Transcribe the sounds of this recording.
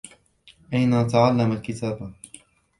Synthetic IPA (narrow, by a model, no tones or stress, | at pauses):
ʔajnat̪aʕalːamalkɪt̪ʰaːba